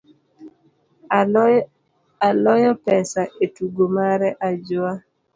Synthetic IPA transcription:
alɔjɔpɛsaʔetuɡomaɾɛʔad͡ʒʊa

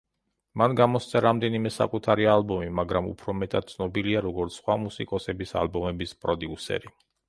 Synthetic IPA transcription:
manɡamɔst̪sʰaɾamd̪ɛnimɛsa̰kʼut̪ʰaɾialbɔmimaɡɾamṵpʰɾɔmɛt̪ʼad̪̚t̪sʰnɔbiliaɾɔɡɔɾt̪sʰχwamusikʼɔsɛbisa̰lbɔmɛbispʼɾɔd̪iusɛ̰ɾi

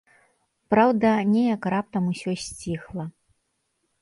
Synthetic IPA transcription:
pɾawd̪ɐnʲɛjɐkrap̚t̪ɐmusʲɔsʲt͡sʲixlˠɐ

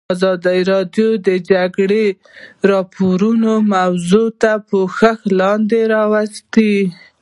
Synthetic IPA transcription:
zɑd̪aiɾɑd̪jod̪əd͡ʒaɡɽe | ɾɑpʰoɾunomawzot̪apəxəxlɑnd̪eɾɑwast̪i

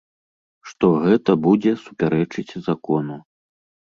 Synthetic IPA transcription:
ʂt̪ɔɣɛt̪ɐbud͡zʲɛsupʲaɾɛt͡ʂɨt͡sʲzakɔnu

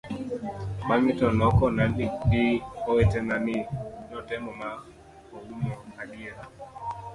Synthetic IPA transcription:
maŋitɔnɔkɔnaniɗiɔwɛtɛnaninɔtɛmɔma | uɡumɔhaɗia

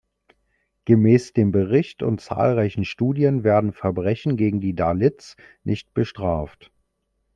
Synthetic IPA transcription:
ɡ̥əmɛːsd̥eːmbəʁɪçtʊ̰ntt͡sa̰ːlʁaɪçn̩ʃtuːdiənveːɐdn̩fɛɐbʁɛçn̩ɡeːɡŋ̩diːdalɪt͡s | nʔɪçt̚b̥əʃtʁ̥aːft

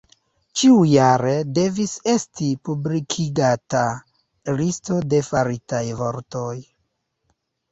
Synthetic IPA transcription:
t͡ʃiujaɾe̞de̞vise̞stipublikʰiɡata | listo̞de̞faɾitajvo̞ɾto̞j

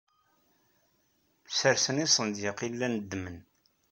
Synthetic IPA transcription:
səɾsənisˤənd̪jəqilːænəd̪ːmən

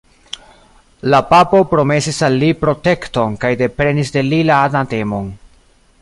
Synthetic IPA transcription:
lapapo̞pɾo̞me̞sisalːipɾo̞te̞kto̞nkajde̞pɾe̞nisde̞lilaːdate̞mo̞n

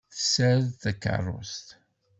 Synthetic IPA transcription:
θəsæɾðθækːə̰rˤːʊ̰st̪

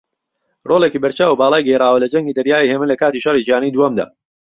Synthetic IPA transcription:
rʔoːlekiːbɐɾt͡ʃaːwubaːlˠaːjɡɛjraːwɐlɐd͡ʒɐŋɡiːd̪ɐɾjaːiheːmɨnlɐkaːt̪iʃɐrid͡ʒijaːnid̪uwɐmd̪a̰ː

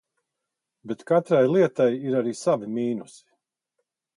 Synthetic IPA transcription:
bet̪kat̪ɾajlˠiɛt̪ajiɾaɾiːsavimiːnusi̥

